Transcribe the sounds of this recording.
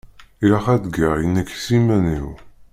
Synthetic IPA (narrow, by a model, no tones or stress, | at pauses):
iɾaχæd̪ɡaʁjənːæki̥simæniw